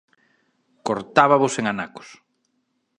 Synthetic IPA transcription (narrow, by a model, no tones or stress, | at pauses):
koɾt̪aβaβʊseŋanakʊ̥s